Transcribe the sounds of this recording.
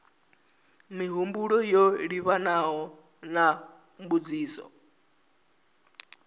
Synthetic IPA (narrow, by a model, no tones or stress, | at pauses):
miɦumbuɺɔjɔɺiβanaɦɔ | na | mbud͡ziːsɔ̰